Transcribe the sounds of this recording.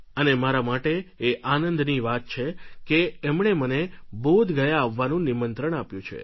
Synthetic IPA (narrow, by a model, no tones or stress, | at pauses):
ənemaɾamaʈeːʔanənd̪niʋat̪̚t͡ʃʰekeɛmɳemənebod̪ʱɡəjaːʋːanũnimənt̪ɾəɳapjũt͡ʃʰḛ